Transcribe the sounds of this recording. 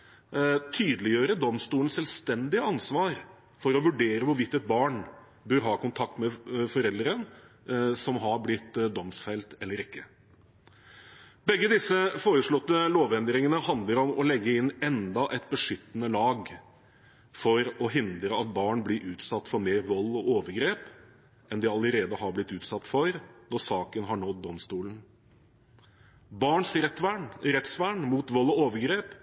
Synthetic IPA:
t̪ʰyːd̪əlɪjøːɾəɖ̪ɔmst̪uːɳn̩sɛlst̪ɛnd̪ɪəɑnsʋɑːɾ | fɔɾɔʋʉɖeːɾəʋʊɾʋɪt̪ːɛt̪̚bɑːɳ | bøɾɦɑːkʊnt̪ʰɑk̚t̪mɛfɔɾɛld̪ɾən | sɔmɦɑɾblɪt̪d̪ɔmsfæɪlt̪ɛlːəɾɪkːə | bɛɡːəd̪ɪsəfoːɾəʂɭɔt̪ːəloːʋɛnd̪ɾɪŋənəhɑnd̪ləɾɔmɔlɛɡːəɪnːɛnd̪ɑʔɛt̪bəʂʏt̪ːnəlɑːɡ | fɔɾɔɦɪnd̪ɾəɑt̪̚bɑːɳblɪɾʔʉːt̪sɑt̪ːfɔɾmeːɾʋɔlːɔoːʋəɾɡɾeːp | ɛnd̪ɪɑləɾeːd̪əhɑɾblɪt̪ːʉːt̪sɑt̪ːfɔɾnɔsɑːkənɦɑɳɔd̪ɔmst̪uːlən | bɑːɳsɾɛt̪ʋæɳɾɛt̪sʋæːɳmuːt̪ʋɔlːɔoːʋəɾɡɾeːp

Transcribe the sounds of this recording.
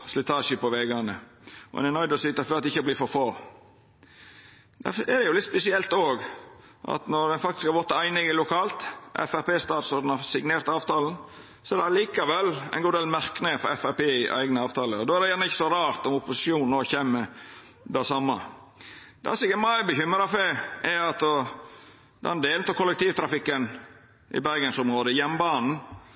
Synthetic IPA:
slɪt̪ʰɑːʃəpɔʋeɡɑnəʔɔ̰ɛ̰nɪnɑɪd̪ɔsyːt̪əɾfɔɑt̪ɛɪçːəbliːfɔɾfoː | d̪̥æ̰ɛd̪ɛjʊlɪt̪spɛsɪɛlt̪oːɡʔɑ̰t̪nɔɾd̪ɛnfɑkt̪ɪskɑɾɡɔt̪ːəæɪnɪŋɪlʊkʰɑːlt̪ʔɛ̰fæɾpeːst̪ɑːt̪sɔd̪ɛnɑɾsɪɡneːɾt̪əɑːʋt̪ɑːln̩ | sɔɛɾd̪ɛɑliːkɑʋɛlæ̰ɪnɡuːd̪eːlmæɾknɪŋəfɔɾɛfæpeːɪʔæ̰ɪɡnəɑːʋt̪ʰɑːləɔd̪oːæɾdɛjæːnəɪçːə̥sɔɾɑːɾt̪ɔmʊpʊsɪʃjuːnnoːçeːmːə | d̪æsɑmːɑ | d̪̥ɛ̰sɪkəmɑəbəçʏmɾɑfɛɛɑt̪ɔ | d̪ɛnd̪eːlt̪ɔkʰʊlːək̚t̪ʰiːʋt̪ʰɾɑfɪkːən | ʔɪ̰bæɾɡənsʊmɾoːd̪əjɛmːbɑːnn̩

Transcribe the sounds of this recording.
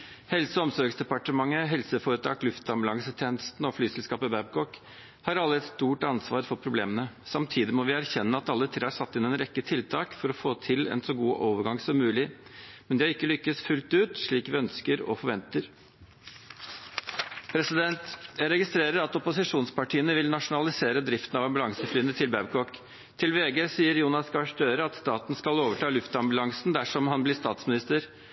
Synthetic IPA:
hɛlsəɔmsɔɾɡsd̪ɛpɑʈəmɑŋːəɦɛlsəfoːɾət̪ʰɑ̰ːklʉft̪ɑmblɑŋsət̪ʰeːnəst̪nɔflyːsɛlskɑːpəbæb̚kɔk | hɑɾɑlːəɛt̪st̪uːʈɑnsʋɑːɾfɔɾpʰɾʊbleːmənəsɑmt̪ʰiːd̪ɪmɔʋɪæɾçɛnːəɑt̪ɑlːət̪ʰɾeːæɾʂɑt̪ːɪnɛnɾɛkːət̪ʰɪlt̪ʰɑːkfɔɾɔfoːt̪ʰɪlɛ̰nsɔɡuːʔoːʋəɾɡɑŋsɔmːʉːlɪmɛnd̪ɛɪkːəlʏkːəsfʉlt̪ʉːt̪ʂɭiːkʋɪœnskəɾɔ̰fɔɾʋɛnt̪əɾ | pʰɾɛsɪd̪ɛnt̪jæɾɛɡɪst̪ɾeːɾəɾɑt̪ɔpʊsɪʂuːnspɑʈʰiːənəʋɪlnɑʂʊnɑlɪseːɾəd̪ɾɪft̪n̩ɑʋɑmbʉlɑŋsəflyːənət̪ʰɪlbæʋkʰɔk | t̪ʰɪlʋeːɡəsiːəɾjuːnɑsɡɑʂd̪øːɾəɑt̪st̪ɑːt̪nskɑloːʋəʈʰɑːlʉft̪ɑmbʉlɑŋsnd̪æʂɔmhɑnblɪst̪ɑːt̪smɪnɪst̪əɾ

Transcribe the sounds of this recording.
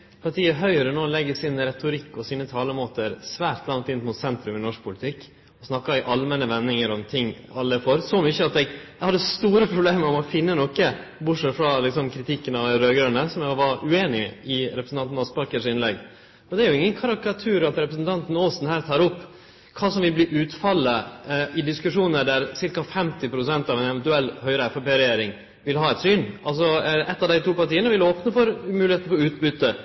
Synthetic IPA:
pʰɑʈ̪ʰiːəɦœʏɾənoːlɛɡːəsɪnɾɛt̪ʊɾɪkːɔsiːnət̪ʰɑːləmoːt̪əɾsʋæːɾt̪lɑŋt̪ɪnt̪mʊt̪sɛnt̪ɾʉmɪnɔʂk̚pʰʊlɪt̪ʰɪkː | ɔsnɑkːɑɛʔɑlmɛnəʋɛnːɪŋəɾɔmt̪ʰɪŋː | ɑlːəfɔɾsɔmʏçəɑt̪ɛɡɛhɑd̪ːəst̪uːɾəpʰɾʊbleːməɾɔmɔfɪnːənɔkːəbʊʈʂɛt̪ːfɾɑlɪksɔmkʰɾɪt̪ʰɪkːənɑʋɾøːɡɾœnəsɔmæɡʋɑɾʉeːnɪɪɾɛpɾəsn̩ɑnn̩ɑspɑɾkəʂɪnlɛɡ | ɔd̪ɛæɾjʊɪŋːənkʰɑɾɑkɑt̪ʰʉːɾɑt̪ɾɛpɾəsn̩t̪ʰɑnt̪n̩oːsn̩hæːɾt̪ʰɑːɾɔpː | kʰɑːsɔmʋɪlbliːʔʉːt̪fɑlːəʔɪd̪ɪskʉʂuːnəɖæɾsɪɾkɑfɛmt̪ɪpʰɾʊsɛnt̪ɑʋɛnɛʋɛnt̪ʉɛlːhœʏɾəɛfɑpeːɾɛjeːɾɪŋ | ʋɪlhɑːɛt̪syːnʔɑls̬ɔʔɛt̪ːɑʋd̪æɪt̪uːpɑɾʈiːənəʋɪloːpnəfɔɾmʉːlɪheːt̪nəfɔɾʉːt̪bʏt̪ːə

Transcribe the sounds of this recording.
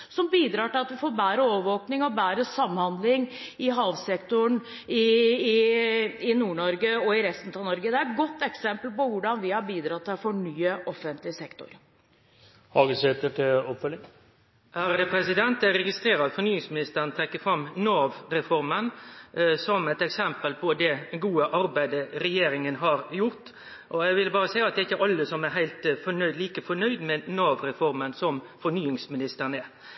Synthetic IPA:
sɔmbiːd̪ɾɑːʈɪlɑt̪ʋɪfoːɾbæːɾəoːʋəʋoːknɪŋɔbæːɾəsɑmːhɑnd̪lɪŋɪɦɑːʋsɛkt̪ʊɳ | ɪɪ | ɪnuːɳɔɾɡəɔɪɾɛst̪nət̪ʰɑʋnɔɾɡəd̪ɛætɡɔt̪ːɛksɛmpəlpɔʋʊɖɑnʋɪhɑɾbiːd̪ɾɑt̪ʰːɛfɔɳyːəʔɔfːənt̪lɪsɛkt̪ʊ̰ɾ | hɑɡəsɛt̪əʈʰɪɔpfœlːɪŋ | hæɾd̪ɛpʰɾɛsɪd̪ɛnt̪æɾɛɡɪst̪ɾeːɾəɑt̪fɔɾnyːɪŋsmɪnɪst̪əɾənt̪ʰɾɛkːəfɾɑmnoːʋɾɛfɔɾmən | sɔmɛɪt̪ɛksɛmpəlpʰɔd̪ɛɡuːəʔɑɾbæɪd̪əɾɛjeːɾɪŋənɦɑɾjʊɾt̪ | ʔɔæɪʋɪlbɑːɾəsæɪəɑt̪d̪ɛæɪçːəʔɑlːəsɔmæɦæɪlt̪fɔnœd̪liːkəfɔnœʏd̪mɛnoːʋɾɛfɔɾmənsɔmfɔɳyːɪŋsmɪnɪst̪əɾnɛ

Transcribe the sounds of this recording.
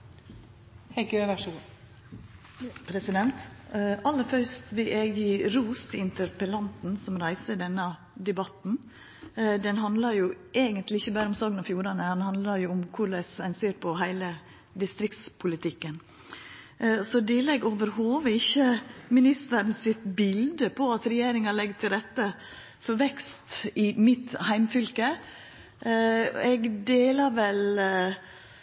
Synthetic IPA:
hɛkøːʋæʂ | pʰɾɛsɪd̪ɛnt̪ɑlːəɾfœɾst̪ʋɪʔɛːɡɪɾuːst̪ʰɪnt̪ʰəɾpəlɑnt̪n̩sɔmɾæɪsəɖ̪ɛnːə | d̪ɛbɑt̪n̩ | d̪ɛnɦɑnd̪lɑɾjʊʔeːɡənt̪lɪɪçəbæːɾəʊmsoːɡənɑfjuːɾɑnəhɑnhɑnd̪lɑɾjʊʊmkʰʊɭɛsæɪnseːɾpʰɔɦæɪlə | d̪ɪst̪ɾɪkt̪spʰʊlɪt̪ʰɪkːən | sɔd̪ɛlɛɡoːʋəɾhoːʋəɪçːəmɪnɪst̪əɾənsɪt̪bɪld̪əpʰɔɑt̪ɾɛjeːɾɪŋɑlɛɡət̪ʰɪlɾɛt̪ːə | fɔɾʋɛkst̪ɪmɪt̪hæɪmfʏlkə | ɛɡd̪eːlɑɾʋɛl

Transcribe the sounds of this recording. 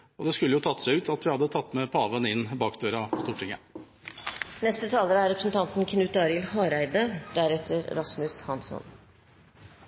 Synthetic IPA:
ɔd̪ɛskʉlːəjʊːt̪ʰɑt̪ːsæʉːt̪ʰɑt̪ʋɪhɑd̪ːət̪ʰɑt̪ːmɛpʰɑːʋənɪnːbɑːkd̪øːɾɑpʰɔst̪uːʈʰɪŋə̰ | nɛst̪ət̪ʰɑːləɾæɾɾɛpɾəsn̩t̪ʰɑnt̪n̩kʰnʉːt̪d̪ɑːɾɪlhɑːɾæɪd̪əd̪̥æɾɛt̪ʰəɾɾɑsmʉshɑnsɔ̰n

